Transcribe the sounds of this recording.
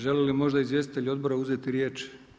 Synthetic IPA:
ʒe̞lilimo̞ʒd̪aizʋje̞st̪it̪eʎʲuo̞d̪̚bo̞ɾauze̞t̪iɾje̞ːt͡ʃ

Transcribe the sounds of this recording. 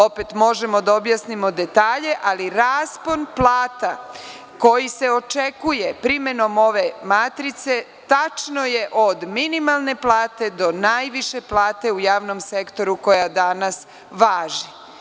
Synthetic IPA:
opet̪mo̞ʒe̞mo̞d̪aobjasnimo̞d̪e̞t̪aːʎe̞ʔaliɾaːspo̞nplˠaːt̪a | ko̞jise̞o̞t͡ʃe̞kuje̞pɾime̞no̞mo̞ʋe̞mat̪ɾit̪se̞ | t̪at͡ʃno̞jeʔod̪minimalˠne̞plˠaːt̪e̞d̪o̞najʋiʃe̞plaːt̪e̞ujaːʋno̞mse̞kt̪o̞ɾuko̞jad̪anas | ʋaːʒi

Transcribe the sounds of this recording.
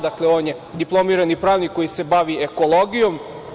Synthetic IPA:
d̪akle̞oːnje | d̪iplˠo̞miːɾanipɾaːʋnikːo̞jise̞baʋieko̞lˠoɡijo̞m

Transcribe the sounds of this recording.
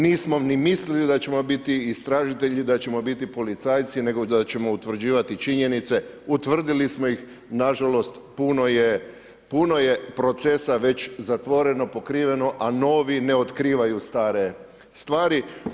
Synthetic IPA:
niːsmo̞nimislilid̪at͡ɕe̞mo̞bit̪iist̪ɾaːʒit̪eʎid̪at͡ɕe̞mo̞bit̪ipo̞lit̪saːjt̪sine̞ɡod̪at͡ɕe̞mo̞ut̪ʋr̩d͡ʒiːʋat̪it͡ʃiɲe̞nit̪se̞ut̪ʋr̩d̪ilismoix | naʒalo̞st̪ | punoje | puno̞je̞pɾo̞t̪se̞saʋe̞t͡ɕzat̪ʋo̞ɾe̞no̞po̞kɾiːʋe̞no̞ʔano̞ːʋine̞ot̪kɾiːʋajust̪aːɾe̞ | st̪ʋaːɾi

